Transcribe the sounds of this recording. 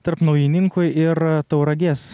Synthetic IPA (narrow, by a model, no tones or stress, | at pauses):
t̪ɐɾpnɐʊjinʲɪŋkʊjɪɾt̪ɐʊɾɐɡʲeːs